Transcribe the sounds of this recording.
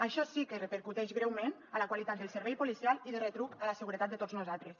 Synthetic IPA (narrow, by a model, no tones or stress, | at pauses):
aʃɔsikərəpəɾkut̪ɛʃɣɾɛwmenələkwalit̪at̪d̪əlˠsəɾβɛjpulisialiðəret̪ɾupələsəɣuɾət̪at̪d̪ət̪od͡zznuzat̪ɾəs